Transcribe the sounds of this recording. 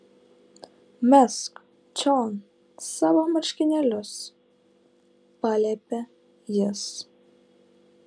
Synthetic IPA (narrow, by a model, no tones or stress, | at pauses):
mʲɛsk | t͡ʃʲɔn | sɑːʋoːmɐɾʲʃʲkʲɪnʲɛlʲʊs | pɑːlʲɛpʲɛ | jɪs